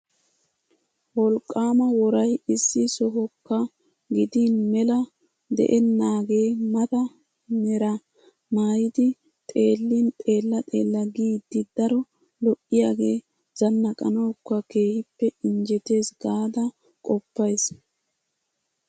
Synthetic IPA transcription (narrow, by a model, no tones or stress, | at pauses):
wɔlkʼːaːmɐwɔɾɐjɪsːɪsɔɦɔkːɐ | ɡɪd̪inmɛlɐ | d̪ɛ̰ʔɛnːaːɡe̞ːmɐt̪ɐ | nɛɾɐ | naːjɪd̪ɪ | t̪ʼe̞ːlːint̪ʼe̞ːlːɐt̪ʼe̞ːlːɐɡiːd̪̥ːɪd̪̥ɐɾɔ | lɔʔːɪjaːɡeː | z̥ɐnːɐkʼɐ̰nɔkːɐke̞ːhɪpːɛɪnd͡ʒɛt̪e̞ːsɡaːd̪ɐ | kʼɔpːɐjs